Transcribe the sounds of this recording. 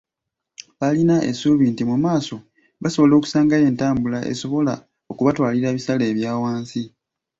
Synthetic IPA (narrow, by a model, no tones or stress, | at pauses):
βalinaʔḛsuβiːntimumaːso̞ | βaso̞βo̞lo̞ːku̥saːŋɡaje̞ːntaːmbulaʔḛso̞βo̞la | o̞kuβatwaːliɾaβisale̞ːβjaːwaːnsi